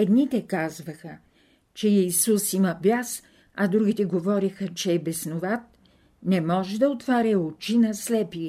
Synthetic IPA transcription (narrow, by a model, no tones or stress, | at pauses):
ɛd̪nit̪ɛkazvɐxə | t͡ʃɛisusimɐbʲjas | ɐd̪ɾuɡ̟it̪ɛɡovɔɾixət͡ʃɛːbɛsnovat̪̚ | nɛmɔʒɛd̪ɐot̪vaɾɛot͡ʃinɐslɛpi